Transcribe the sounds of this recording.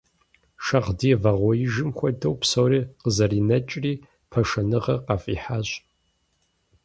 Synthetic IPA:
ʃɐʁdiːvɐʁʷɔjɪʒɪmxʷɔdɐwpsɐwriːqəzɐriːnɐt͡ʃʼriː | pʰɐʃɐnɨʁɐqɑfʼiːħaɕʼ

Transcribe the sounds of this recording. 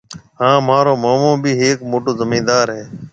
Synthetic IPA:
ɦãːmaːɾoːmaːmõːbʱiːɦeːkmoːʈoːzəmĩːnd̪aːɾɦeː

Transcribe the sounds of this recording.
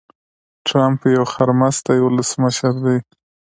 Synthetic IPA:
ʈɾampjawxaɾmast̪ajwʊləsməʃəɾd̪aj

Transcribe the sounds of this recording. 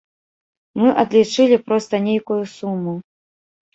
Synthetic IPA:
mɨʔɐd̪lʲit͡ʂɨlʲipɾɔst̪ɐnʲejkujusumːu

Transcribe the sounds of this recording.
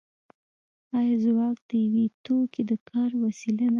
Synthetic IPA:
ɑjɑzwɑk̚d̪̥əjawet̪oked̪əkʰɑɾwasilana

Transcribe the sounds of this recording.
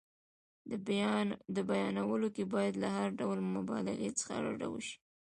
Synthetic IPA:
d̪əbjɑnd̪əbajɑnawəlokebɑjad̪lahaɾɖawəlmʊbɑ̰lɪ̰let͡sə̥xa̰ɾa̰ɖa̰wə̰ʃi̥

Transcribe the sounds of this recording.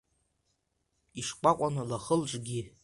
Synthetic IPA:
iʂkʷʼakʷʼanɨlaχəlʈ͡ʂʼɡʲi

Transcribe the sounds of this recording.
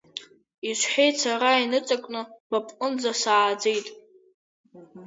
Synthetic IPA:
iʃʷħᶣejt͡sʰaɾainɨt͡sʼakʷʼnɨb̥apʼqʼʊnd͡zasaːd͡ze̞jtʼ

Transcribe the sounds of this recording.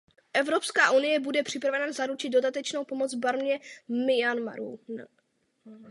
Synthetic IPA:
ʔɛvɾo̞pskaːʔunɪjɛbudɛpr̥ɪpɾavɛnazaɾut͡ʃɪd̪do̞dat̪ɛt͡ʃno̞wpo̞mod͡zbaɾmɲɛmɪjanma̰ɾṵ

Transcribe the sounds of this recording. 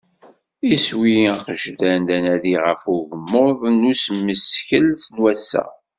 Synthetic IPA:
iswiqəʒdænd̪ænæðiʁəfuɣəmːʊðˤnusmːəsçəlsnwæsːæ̰

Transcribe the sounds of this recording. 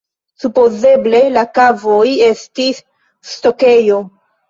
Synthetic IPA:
supo̞ze̞ble̞lakavo̞je̞stisː | to̞ke̞jo̞

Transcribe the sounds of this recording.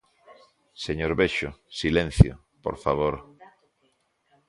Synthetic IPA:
seɲoɾβeʃosilẽn̟θjo̰ | po̰ɾfaβ̞oɾ

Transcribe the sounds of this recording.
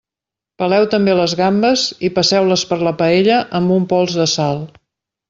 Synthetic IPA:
pəlɛwt̪əmbeləzɣambəzipəsɛwləspəɾləpəeʎəʔəmbumpɔlˠzðəsalˠ

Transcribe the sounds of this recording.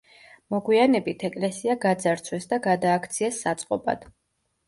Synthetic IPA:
mɔɡwianɛbit̪ʰɛkʼlɛsiaɡad̪zaɾt̪sʰwɛsd̪aɡad̪aːkʰt̪sʰiɛsːat̪sʼqʼɔba̰d̪̥

